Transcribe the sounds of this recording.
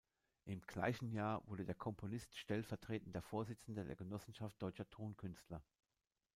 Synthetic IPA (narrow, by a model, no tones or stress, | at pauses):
ʔɪmɡ̥la̰ɪçn̩jaːɐvʊɐdədeːɐkʰɔmpʰonɪstʃtɛlfɛɐtʁ̥eːtn̩deːɐfoːɐzɪt͡sn̩dədḛːɐɡənɔsn̩ʃaft̚d̥ɔʏt͡ʃɐtʰoːnkʰʏnstʰlɐ